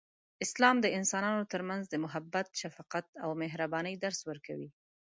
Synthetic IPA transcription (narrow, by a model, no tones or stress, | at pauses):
ɪslɑmd̪əɪnsɑnɑnot̪əɾmanzd̪əmʊɦabːat̪ʃafɑqat̪awmɪɦɾabɑnəjd̪aɾswəɾkawḭ